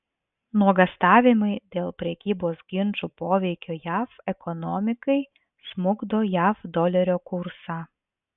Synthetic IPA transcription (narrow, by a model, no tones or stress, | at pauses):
nuɔɡɐst̪ɑːʋʲɪmɐɪd̪ʲeːlˠpʲɾʲɛkʲiːboːsɡʲɪnʲˑt͡ʃuːpoːʋʲɛɪkʲoːjæːfɛkɔnɔmʲɪkɐɪ | smʊɡd̪oːjæːfd̪ɔlʲɛɾʲoːkʊɾsɑː